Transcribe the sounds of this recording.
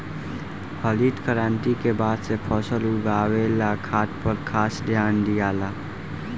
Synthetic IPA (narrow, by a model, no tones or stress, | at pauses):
həliːt̪kəɾãːnʈ̪ikebaːd̪sepʰɔːsəluɡaːwelakʰaːt̪pəɾkʰaːsd̪ʱjaːnd̪ijaːla